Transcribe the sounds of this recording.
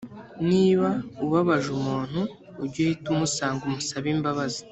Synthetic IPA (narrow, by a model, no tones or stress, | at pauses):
niːβauβaβaʒumuːn̥huː | ɾɟohitumusaːŋɡumusaβiːmbaβazi